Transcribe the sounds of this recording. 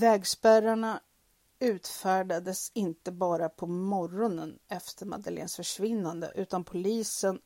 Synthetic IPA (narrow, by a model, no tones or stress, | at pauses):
vɛːɡspæɾaɳa | ʉ̟ːt̪fæːɖad̪əsɪnt̪əbɑːɾapʰɔmɔɾɔnənɛft̪ʰəɾma̰d̪alḛːnsfœʂvɪnːand̪ə̰ʔʉ̟ːt̪anpʰʊliːsən